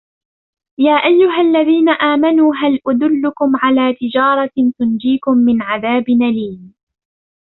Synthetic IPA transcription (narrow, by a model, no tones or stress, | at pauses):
jaːʔajːʊɦalːaðiːnaʔaːmanuːɦalʔad̪ʊlːʊkʊmʕalaːt̪ɪd͡ʒɑːɾˤɑt̪ʊnd͡ʒiːkʊmːɪnʕaðaːbɪnaliːn